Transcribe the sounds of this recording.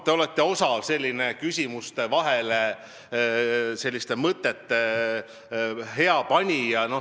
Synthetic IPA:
t̪e̞o̞let̪ːe̞o̞sɑlse̞lʲːinekysʲimust̪e̞vɑɦe̞le | se̞lʲːist̪e̞mɤt̪ːˑet̪ːe | ɦe̞ɑpɑnʲijɑno̞

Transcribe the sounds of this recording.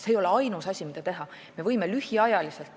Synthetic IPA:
seːjo̞le̞ɑjnusɑsʲimid̪̥ɑt̪e̞ɦɑ | me̞vɤjmelyhiɑjɑlise̞lt̪ː

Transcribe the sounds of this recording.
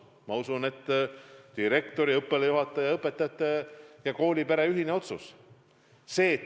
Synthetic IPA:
mɑusune̞t̪ːd̪̥iɾe̞kt̪o̞ɾiɤpːˑelejuɦɑt̪ːˑɑjɑɤpːˑe̞t̪ːˑɑt̪ːˑejɑko̞ːlʲipeɾeyɦineo̞t̪sus | se̞ː

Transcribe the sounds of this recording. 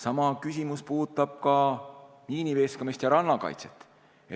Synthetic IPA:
sɑmɑkysʲimuspuːt̪ːˑɑb̥̚kɑ | miːnive̞skɑmist̪jɑɾɑnːɑkɑ̰jt̪set̪ːˑ | e

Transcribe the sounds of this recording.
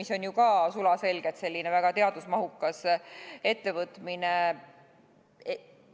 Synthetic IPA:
iso̞njukɑːsulɑse̞lɡ̥e̞t̪se̞lʲːinevæɡ̥ɑt̪e̞ɑd̪̥usmɑɦukːˑɑse̞t̪ːe̞vɤt̪mine

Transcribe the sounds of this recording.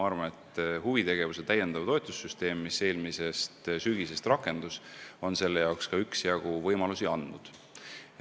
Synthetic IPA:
ɑɾvɑnet̪ːˑhuvit̪e̞ɡ̥e̞vuset̪æje̞nd̪̥ɑvt̪oet̪ˑusːyst̪e̞ːmːise̞ːlmise̞st̪syɡise̞st̪rɑkːˑe̞nd̪̥uso̞nse̞lːe̞jɑwkskɑyksjɑɡ̥uvɤjmɑlusiɑnd̪nud̪̥

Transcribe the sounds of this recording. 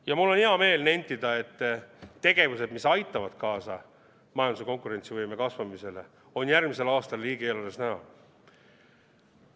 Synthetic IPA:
jɑmulːo̞niɦɑme̞ːlne̞nʲt̪ːid̪̥ɑe̞t̪ːe̞ɡ̥e̞vuse̞d̪̥misɑjt̪ːˑɑvɑd̪̥kɑːsɑ | mɑjɑnd̪useko̞ŋkuɾe̞nt̪sivɤjme̞kɑsvɑmise̞le̞̰ | o̞njærɡmise̞lɑːst̪ɑlːiːɡ̥eelodesnæɦɑ̰

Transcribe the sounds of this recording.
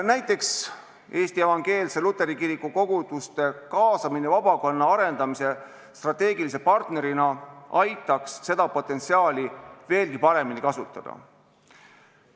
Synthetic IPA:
næjt̪ːˑe̞ks | e̞ːst̪ie̞vɑŋɡ̥e̞ːlse̞lut̪ːˑe̞ɾikiɾikːˑuko̞ɡ̥ud̪̥ust̪e̞kɑːsɑminevɑb̥ɑko̞nːɑɑɾe̞nd̪ɑmise̞ | st̪rɑt̪ːe̞ːɡilis̬e̞pɑrt̪ne̞ɾinɑɑjt̪ːˑɑksːe̞d̪̥ɑpo̞t̪ːˑe̞nt̪siɑːlive̞ːlkipɑɾe̞minikɑsut̪ːˑɑd̪̥ɑ̰

